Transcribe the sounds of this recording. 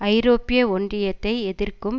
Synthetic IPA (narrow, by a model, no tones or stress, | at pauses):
ɐɪɾoːpɪjɐɔɳdrɪjɐt̪ːɐɪɛðɪrkɯm